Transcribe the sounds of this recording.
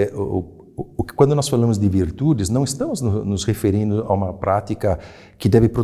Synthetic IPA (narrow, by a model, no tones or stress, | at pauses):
kɪ̥kwɐ̃nd̪ʊnɔsfalɐ̃mʊzd̪ɪviɾt̪ud̪ɪznɐ̃w̃ɪst̪ɐ̃mʊznʊnʊsʁefeɾĩnd̪ʊa̰ũmɐpɾat̪ikɐ | kɪd̪ɛvɪpɾo